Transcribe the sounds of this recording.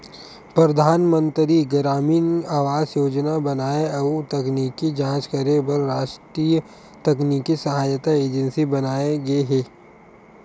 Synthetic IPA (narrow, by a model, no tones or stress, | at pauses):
pɾɐd̪ʱaːnmə̃nt̪ɾiɡɾaːmiːnaːʋaːzjoːd͡ʒnabɐnaːeɐut̪ɐkniːkːid͡ʒãːt͡ʃkɐɾebɐɾːaːʃʈɾiːə | t̪ɐkniːkisɐɦaːjət̪aeːd͡ʒə̃nsibɐnaːeɡɐeɦɛː